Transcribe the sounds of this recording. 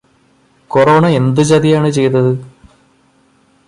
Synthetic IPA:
koro̞ːɳɐe̞nd̪ɨt͡ɕɐðijaːɳɨt͡ɕe̞jt̪ɐðɨ

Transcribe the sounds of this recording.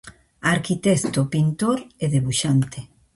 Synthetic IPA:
aɾkit̪ɛst̪opint̪oɾeðeβuʃant̪e

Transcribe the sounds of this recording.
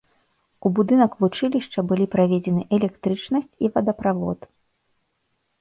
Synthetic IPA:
ubud̪ɨnɐkvut͡ʂɨlʲiʂt͡ʂɐbɨlʲipɾavʲɛd͡zʲɛnɨʔɛlʲɛkt̪ɾɨt͡ʂnɐsʲt͡sʲivɐd̪ɐpɾavɔ̰t̪

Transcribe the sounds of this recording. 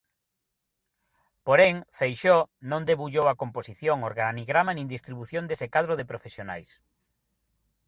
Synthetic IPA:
poɾeŋfejʃonõnd̪eβuʎowɐkomposiθjoŋoɾɣaniɣɾamanĩŋd̪ist̪ɾiβuθjond̪esekaðɾoðepɾofesjona̰js

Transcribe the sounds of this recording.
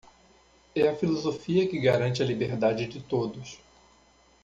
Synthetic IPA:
ɛɐfilozofiɐkɪɡaɾɐ̃nt͡ʃɪɐlibeɾd̪ad͡ʒɪd͡ʒɪt̪od̪ʊs

